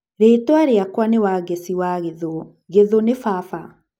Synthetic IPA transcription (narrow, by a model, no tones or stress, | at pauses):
ɾeːtwaɾeakwanewaɣesiwaɣeðo | ɣeðonefafa